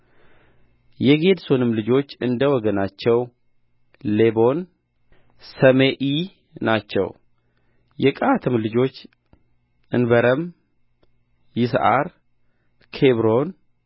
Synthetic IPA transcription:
jɛɡe̞d̪sonɨmlɨd͡ʒo̞t͡ʃːɨnd̪əwɔɡənat͡ʃːɛw | le̞bo̞n | səmeʔi | nat͡ʃːɛ̰w | jɛkʼat̪ʰɨmlɨd͡ʒo̞t͡ʃː | ʔɨnbəɾəm | jɪsʔa̰ɾ | kʰeβɾo̞n

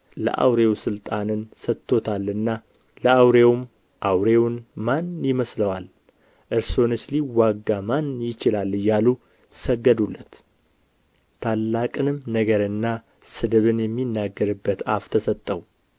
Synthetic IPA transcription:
lə̰ʔa̰wɾe̞wsɨlt̪ʼanɨnsət̪ʰːo̞t̪ʰalːɨnːa | ləʔawɾe̞wm | ʔawɾewnmanjɪməsləwal | ʔɨɾso̞nɨsliwaɡːamanjɪt͡ʃɪlalːɨjalu | səɡːəd̪ulːət̪ | t̪ʰalːakʼɨnɨmnəɡəɾɨnːa | sɨd̪ɨβɨnjɛmːinːaɡːəɾɨbːət̪aft̪ʰəsət̪ʼːəw

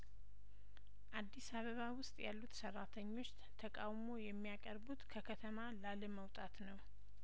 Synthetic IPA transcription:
ʔad̪ːisaβəβawʊst̪ʼjalːut̪sərːat̪ʰəɲːo̞t͡ʃː | t̪ʰəkʼawmo̞jɛmːijakʼəɾbut̪kʰəkʰət̪ʰəmalaləməwt̪ʼat̪nəw

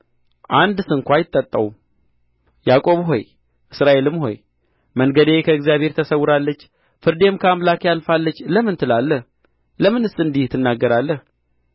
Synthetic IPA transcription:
ʔand̪sɨŋkʷʰajɪt̪ʼːət̪ʼːəwum | jakʼo̞βɦo̞̰j | ʔɨsɾaʔe̞lɨmɦo̞̰j | məŋɡəd̪e̞kʰəɨɡzijaβhe̞ɾt̪ʰəsəwːʊɾalːət͡ʃː | fɨɾd̪e̞mkʰəamlakjalfalːət͡ʃːləmɨnt̪ʰɨlalːəh | ləmɨnɨsɨnd̪iht̪ʰːɨnːaɡːəɾalːəh

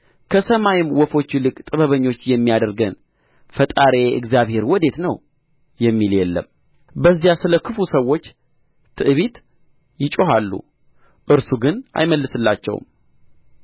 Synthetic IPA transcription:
kʰəsəmajɪmwɔfo̞t͡ʃːilɨkʼt̪ʼɨβəβəɲːo̞t͡ʃːjɛmːijad̪əɾɡən | fət̪ʼaɾe̞ɨ̰ɡzjaβhe̞ɾwɔd̪e̞t̪nəw | jɛmːiljɛlːə̰m | bəzːjasɨləkʰɨfusəwːo̞t͡ʃː | t̪ʰɨʔɨβit̪ | jɪt͡ʃʼoɦalːṵ | ʔɨɾsuɡɨnʔa̰jməlːɨsɨlːat͡ʃːɛ̰w̰m

